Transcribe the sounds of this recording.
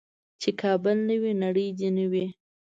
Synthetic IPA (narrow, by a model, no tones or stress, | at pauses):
t͡ʃekʰɑbəlnəwinaɽəjd͡ʒ̪inəwi